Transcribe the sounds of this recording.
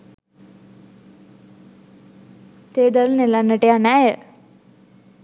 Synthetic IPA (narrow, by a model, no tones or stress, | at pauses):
t̪eːd̪alənelanːəʈəjanæjə